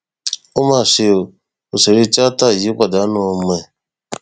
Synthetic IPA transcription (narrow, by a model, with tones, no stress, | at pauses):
o˦ma˦˨se˨o˨ | o˨se˨ɾi˦t͡ʃa˦ta˦˨ji˨˦kʷa˨da˨˦no˨mɛ˨